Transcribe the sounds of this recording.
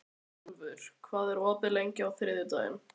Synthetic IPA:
vʏɾ̥kʰvaːðɛɾɔːt̪ɪlejɲcɪawθɾɪːðjɪt̪a̰ːjɪ̰n

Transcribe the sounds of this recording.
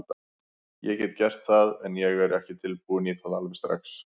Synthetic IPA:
t̪ | jɛcɛt̪cɛr̥t̪θaðɛnjɛɣɛɾɛhcɪt̪ʰɪlpuːniθaðalvɪst̪ɾa̰ks

